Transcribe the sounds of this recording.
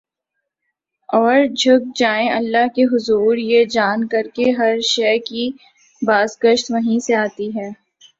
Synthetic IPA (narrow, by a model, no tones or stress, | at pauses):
ɔːɾd͡ʒʱʊɡ̚d͡ʒaːẽʔɐlːaɦkeɦʊzuːɾjed͡ʒaːnkɐɾkeɦɐɾʃɛːki | baːzɡəʃt̪ʋɐɦĩseaːt̪iɦɛː